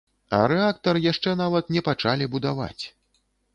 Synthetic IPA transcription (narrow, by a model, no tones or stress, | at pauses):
ɐ̰ɾɛakt̪ɐɾɨjaʂt͡ʂɛnavɐt̪nʲɛpat͡ʂalʲibud̪ava̰t͡sʲ